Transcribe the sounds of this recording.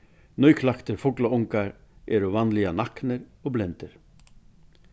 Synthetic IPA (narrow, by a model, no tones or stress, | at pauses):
nœjkʰlaxt̪ɪɾfʊklaʊŋkaɾɛɾɔvanːlianahknɪɾɔɣblɛnt̪ɪɾ̥